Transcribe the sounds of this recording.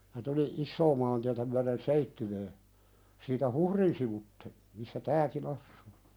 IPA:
jɑ tuli isːoː mɑːntiætæ myæɾen seitːywøː siːtæ huhrin siʋutːe misːæ tæːkin ɑsːu̥ː

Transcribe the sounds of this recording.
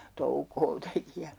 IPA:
toukoː teki jɑ

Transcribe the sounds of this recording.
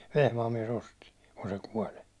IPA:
ʋehmɑːm miɛs osti kun se kuolʲ

